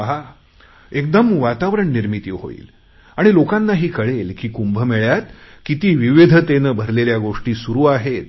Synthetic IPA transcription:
ɦa | ek̚d̪əmʋat̪aʋɾəɳniɾmit̪iɦo̰ḭːl | aɽ̃ilokanːaɦiːkəɭelkiːkumbʱəmeɭjat̪kit̪iːʋiʋed̪ʱət̪enəbʱəɾleljaɡoʂʈiːsuɾuːaɦet̪̚

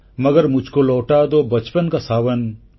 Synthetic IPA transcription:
mɐɡəɾmʊd͡ʒʱkolɔːʈad̪obɐt͡ʃpənkasaːʋən

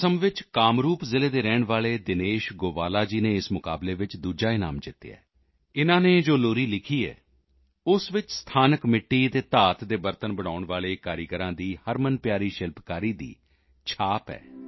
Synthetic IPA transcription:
səmʋɪt͡ʃkaːmɾuːpzɪleːd̪eːɾɛːɳʋaːleːd̪ɪneːʃɡoːʋaːlaːd͡ʒiːnẽːɪsmʊka̰ːbleːʋɪt͡ʃd̪uːd͡ʒaːɪna̰ːmd͡ʒɪt̪ːḛa̰ː | ɪnãːneːd͡ʒoːloːɾiːlɪkʰiːɛ̰ː | ʊsʋɪt͡ʃst̪ʰaːnəkmɪʈːiːt̪eːt̪aːt̪d̪eːbəɾt̪ənbəɽ̃aːʊɳʋaːleːkaːɾiɡəɾãːd̪iːhəɾmənpjaːɾiːʃɪlpkaːɾiːd̪ḭː | t͡ʃʰaːpɛ̰ː

